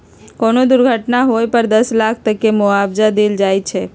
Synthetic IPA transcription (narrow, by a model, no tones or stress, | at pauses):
konod̪ʊɾɡʱəʈnaɦojpəɾd̪əslakʰt̪əkemʊabd͡ʒad̪eld͡ʒajt͡ʃʰe